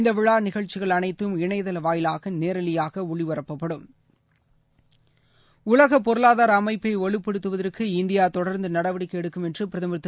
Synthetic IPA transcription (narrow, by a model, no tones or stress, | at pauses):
nd̪ɐʋɪɭaːnɪɣɐɻt͡ʃːɪɣɐɭɐnɐɪt̪ːɯmɪɳɐɪðɐlʋaːjɪlaːɣɐneːɾɐlɪjaːɣɐʊɭiʋɐɾɐpːɐpːɐɽɯm | ʊlɐɣɐpɔɾɯlaːðaːɾɐːmɐɪpːɐɪɔɭɯpːɛɽɯt̪ːɯʋɐðɐrkɯɪnd̪ɪjaːt̪ɔɽɐɾnd̪ɯnɐɽɐʋɐɽɪkːɛɽɯkːɯmɛndrɯpɪɾɐðɐmɐɾt̪ː